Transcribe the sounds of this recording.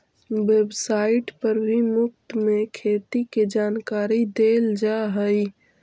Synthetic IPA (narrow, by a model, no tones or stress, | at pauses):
ʋebsaːɪʈpəɾʋimʊk̚t̪mẽkʰeːt̪iked͡ʒaːnkaːɾid̪eːld͡ʒaɦəi